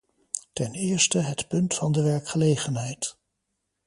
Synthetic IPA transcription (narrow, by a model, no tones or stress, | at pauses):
tɛnɪːɹstəɦətpɵntfɑndəʋɛɹkχəlejχənɦɛjt